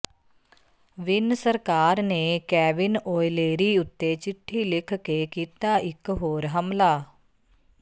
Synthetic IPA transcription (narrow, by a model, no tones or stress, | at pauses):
ʋɪnsəɾkaːɾnekɛːʋɪnoːjleːɾiʊt̪ːet͡ʃɪʈʰːilɪkʰkekiːt̪aɪkɦoːɾɦɐmlaː